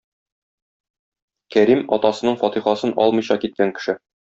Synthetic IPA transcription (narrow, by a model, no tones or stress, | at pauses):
kæɾimɒt̪ɑsɤ̆nɤɴfɒt̪iχɑsɤnʔɒ̰lˠmɤ̆jɕɑkit̪̚kæŋkɘ̥̆ʃɘ